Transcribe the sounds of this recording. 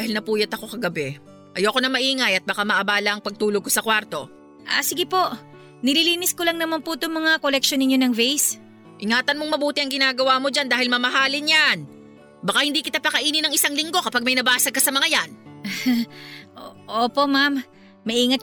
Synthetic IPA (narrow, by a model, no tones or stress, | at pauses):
d̪aːhɪlnɐpuːjɐt̪ɐko̞kɐɡɐbɛ | ʔɐjoɐko̞nɐmɐʔiːŋɐjɐt̪̚bɐkamɐʔɐbaːlɐʔɐŋpɐɡ̚t̪uːloɡ̚ko̞sɐkwaɾt̪o̞ | ʔa̰sɪɡɪpo̞ʔ | nɪliːliːnɪskolɐŋnɐmanpot̪oŋmɐŋakolɛk̚ʃonɪɲːo̞nɐŋvejs | ʔɪŋaːt̪ɐnmoŋmɐbuːt̪ɪɐŋɡɪnaːɡɐwaːmo̞d͡ʒand̪aːhɪlmɐmɐɦaːlɪnjan | bɐkahɪnd̪iːkɪt̪apɐkɐʔiːnɪnɐŋɪsaŋlɪŋɡokɐpaɡ̚mɐjnɐbaːsɐkɐsɐmɐŋajan | oʔoːpo̞ʔmamː | ɐʔiːŋɐt̪̚